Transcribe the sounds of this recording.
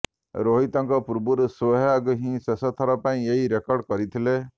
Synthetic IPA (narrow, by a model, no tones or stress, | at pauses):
ɾoɦit̪ɔŋkɔpuɾbuɾɔswɔɦaɡɦĩsesɔt̪ʰɔɾɔpaĩeɦiɾekɔɾɖkɔɾit̪ʰile